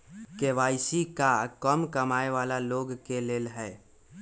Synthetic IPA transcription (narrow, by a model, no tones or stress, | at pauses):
keʋaːisikakəmkəmaːeʋaːlaloːɡkeleːlɦɛː